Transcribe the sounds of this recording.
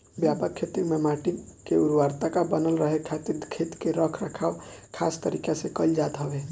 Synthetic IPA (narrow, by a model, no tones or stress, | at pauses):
bjapəɾ̚kʰet̪ikmemaʈikeuɾwaɾt̪akabənəlɾəɦekʰːat̪iɾkʰet̪keɾəkʰɾəkʰaʊkʰast̪əɾikasekəld͡ʒat̪ɦəbe